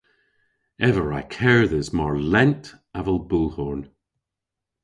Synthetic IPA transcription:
ɛvəɹaɪkʰɛɹðəzmɔɹlˠɛ̃ntʰ | avəlˠbulˠhɔɹn

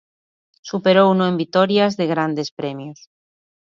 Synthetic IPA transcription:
supe̞ɾo̞unoe̞mbit̪o̞ɾjazðe̞ɣ̞ɾand̪e̞spɾe̞mjos

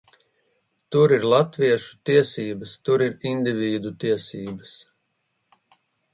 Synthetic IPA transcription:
t̪uɾiɾlˠat̪vʲiɛʃu̥t̪iɛsiːbəst̪uɾiɾind̪ʲivʲiːd̪ut̪iɛsiːbəs

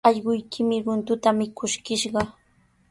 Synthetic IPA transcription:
ɑʎɢʊjkʰɪmɪɾʊnt̪ʊt̪amɪkʰʊʃkɪʃɢɑ

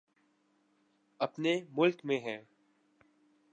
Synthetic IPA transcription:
ɐpnemʊlkmẽɦɛ̃ː

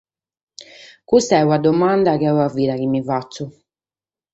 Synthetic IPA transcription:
kust̪aɛwad̪ɔmand̪akeɛwavːiːɾak̟imːivat̪sːu

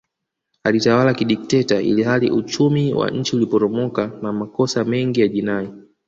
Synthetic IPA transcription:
alitawalakiɗik̚tɛtaḭlihalḭʔut͡ʃumiwa̰ɲ̩t͡ʃiulipɔɾɔmɔkanamakɔsamɛŋɡijaʄinaɛ

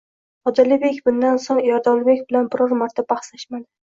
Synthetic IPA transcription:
ɒd̪alɪbe̞kʲbʊnd̪ansoŋjɒɾd̪ɒlˠɪbekʲbɪlanbɪɾɒɾmaɾt̪ʰabaχsaʃmad̪ɪ

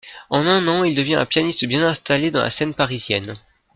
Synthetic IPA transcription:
ɑ̃nɛ̃nɑ̃ild̪əvjɛ̃ʔɛ̰̃pjanist̪bjɛ̃nɛ̃st̪aled̪ɑ̃lʔa̰sɛnpaʁizjɛn

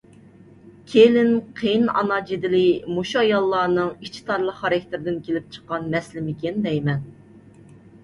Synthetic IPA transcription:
kʲʰelɪnqʰejnɑ̰nɑd͡ʒid̪ɪlɪmuʃuɑjɑlˠːɑːnɨŋit͡ʃʰi̥t̪ʰɑɾlˠəχɑɾɪkʰʲt̪ɪɾɪd̪ɪnkʲʰelɪp̚t͡ʃʰə̥qːɑnmɛslɪmɪkʲend̪ɛjmɛn

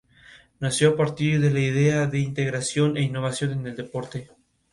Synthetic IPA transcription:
nasjoapaɾt̪iɾðe̞laiðeaðe̞int̪e̞ɣɾasjo̞ne̞inːo̞βasjo̞neneld̪epo̞ɾt̪e

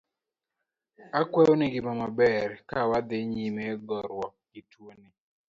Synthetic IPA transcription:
akwɛonɪɡɪmamabɛɾkawad̪ɪɲimeɡɔɾwɔɡ̥ɪtwonɪ

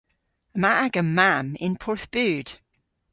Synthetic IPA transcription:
əmaʔaɡəmamɪ̰̃npʰɔɹθb̥ʉːd̥

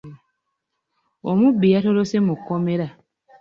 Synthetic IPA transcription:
omubːijato̞lose̞mukːo̞me̞ɾa

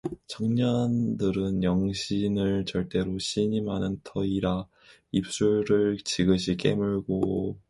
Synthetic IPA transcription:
t͡ɕʌŋɲandɯɾɯnjʌŋɕʰinɯɭt͡ɕʌɭt͈e̞ɾoɕʰiɲimɦanɯntʰʌiɾa | ip̚s͈uɭɾɯɭt͡ɕiɡɯɕʰik͈e̞̰muɭɡo

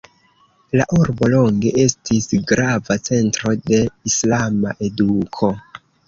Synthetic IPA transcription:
laʔuɾbo̞lo̞ŋɡe̞ʔe̞stisɡɾavat͡se̞ntɾo̞de̞islamaʔe̞dukʰo̞

